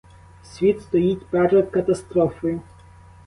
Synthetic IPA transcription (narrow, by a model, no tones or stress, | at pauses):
sʲʋʲit̪st̪ɔjitʲpɛrɾɔd̪̚kɐt̪ɐst̪ɾɔfɔjʊ